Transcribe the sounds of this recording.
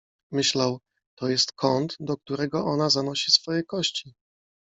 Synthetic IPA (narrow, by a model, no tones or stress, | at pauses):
mɘɕlaw | t̪ɔjɛst̪kʰɔnt̪d̪ɔk̚t̪uɾɛɡɔɔnazanɔɕisfɔjɛkɔɕt͡ɕi